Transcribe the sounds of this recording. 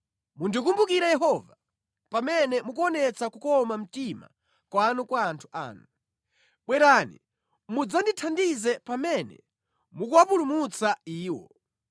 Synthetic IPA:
mundikumbukiɾajɛɦɔva | pamɛnɛmukuɔnɛt͡sakukɔmam̩tima̰ | kwanukwaːntʰu̥ʔa̰ːnu | ɓwɛɾanḭ | mud͡zanditʰandizɛpamɛnɛ̰ | mukuwapulumut͡saiːwɔ̰

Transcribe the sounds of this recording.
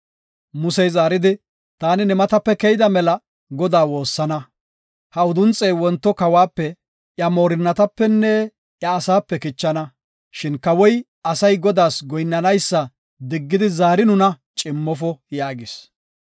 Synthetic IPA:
mʊsɛjzaːɾɪd̪ɪ | t̪aːnɪnɛmɐt̪ɐpːɛkɛjɪd̪ɐmɛlɐ | ɡɔd̪aːwo̞ːsːɐnɐ | hɐʊd̪ʊnt͡sʼːɛjwɔnt̪ːɔkɐwaːpːɛ | ʔjɐmo̞ːɾɪnːɐt̪ɐpːɛnːɛ | ʔjɐːsaːpːɛkɪt͡ʃːɐnɐ | ʃɪnkɐwɔj | ɐsɐjɡɔd̪aːsɡɔjnːɐnɐjsːɐ | d̪ɪɡːɪd̪ɪzaːɾɪnʊnɐ | t͡ʃʼɪmːɔfɔjaːɡɪs

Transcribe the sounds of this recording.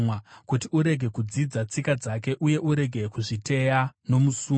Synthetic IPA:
wakutiuɾe̞ɡʱe̞kud͡zid͡zat͡sikad͡zake̞ʔuje̞ʔuɾe̞ɡʱe̞kuʐite̞jano̞musuː

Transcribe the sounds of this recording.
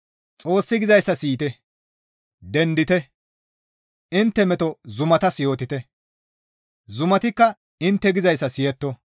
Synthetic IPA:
t͡sʼo̞ːsːɪɡɪzɐjsːɐsiːt̪ɛ | d̪ɛnd̪ɪt̪ɛ | ɪnt̪ːɛmɛt̪ɔzʊmɐt̪ɐsjo̞ːt̪ɪt̪ɛ | zʊmɐt̪ɪkːɐ | ɪnt̪ːɛɡɪzɐjsːɐsɪjɛt̪ːɔ

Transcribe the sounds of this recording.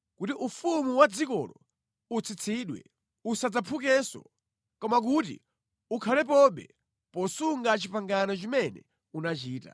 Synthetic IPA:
kutiʔufumuwad͡zikɔ̰lɔ | ut͡sʰit͡sʰiɗwɛ̰ | usad͡zapʰuk̬ɛsɔ̰ | kɔmak̬utḭ | ukʰalɛp̬ɔɓɛ̰ | pɔsuŋɡat͡ʃipaŋɡanɔt͡ʃimɛnɛ̰ | unat͡ʃiːta̰

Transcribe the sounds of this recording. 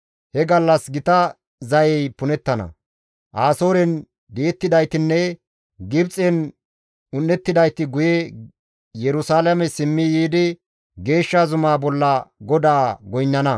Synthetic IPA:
hɛɡɐlːɐsɡɪt̪ɐ | zɐjɛjpʊnɛt̪ːɐnɐ̰ | ʔaːso̞ːɾɛn | d̪ɪɛt̪ːɪd̪ɐjt̪ɪnːɛ | ɡɪbt͡sʼɛn | ʊnːɛt̪ːɪd̪ɐjt̪ɪɡʊjɛ | jɛɾʊsaːlɐmɛsɪmːɪjiːd̪ɪ | ɡe̞ːʃːazʊmaːbɔlːɐɡɔd̪aːɡɔjnːɐnɐ

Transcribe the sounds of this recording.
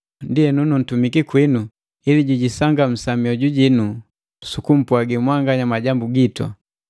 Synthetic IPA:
ndijɛnunun̩tumikikwinu | iliɟuɟisaŋɡam̩samiɔɟuɟinu | sukum̩puaɡimwaŋɡaɲamaɟambuɡitwa̰

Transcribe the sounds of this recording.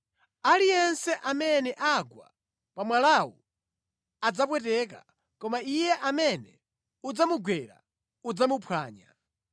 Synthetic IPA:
alijɛnsɛʔamɛnɛʔaɡwa̰ | pamwalawu | ad͡zap̬wɛt̬ɛk̬a̰ | kɔmaijɛʔamɛnɛ | ud͡zamuɡwɛɾa̰ | ud͡zamupʰwa̰ːɲa̰

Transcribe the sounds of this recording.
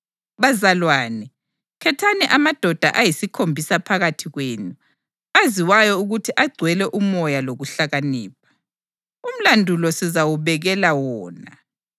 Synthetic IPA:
βazalwaːnɛ | kʰɛtʰanɛʔamad̥ʱɔd̥ʱa̰ʔajisikʰombʱisapʰaɣatʰiɣwenu | aziwajɔuɣutʰiʔaɡ͡ǀʱwɛlɛʔumɔjaloɣuɬaɣaniːp̚ʰḁ | um̩landʱulɔsizawuβɛɣɛlawɔːna

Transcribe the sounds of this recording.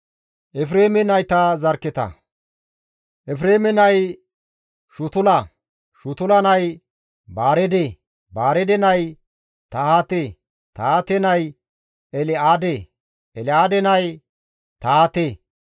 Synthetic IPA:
ʔɛfɾeːmɛnɐjt̪ɐzɐɾkːɛt̪ɐ̰ | ʔɛfɾeːmɛnɐj | ʃʊt̪ʊlɐ | ʃʊt̪ʊlɐnɐj | baːɾɛd̪e | baːɾɛd̪ɛnɐj | t̪ɐhat̪e | t̪aːt̪ɛnɐj | ɛlɪaːd̪e | ɛlɪaːd̪ɛnɐj | t̪at̪e

